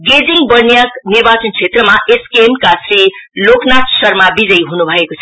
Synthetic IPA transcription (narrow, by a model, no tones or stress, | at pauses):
ɡed͡ziŋɡbʌɾnjaknirbat͡sʌnt͡sʰet̪rʌmaʔeskemkasɾiloknat̪sʌrmabid͡zʌjɦunubʱʌekot͡sʰʌ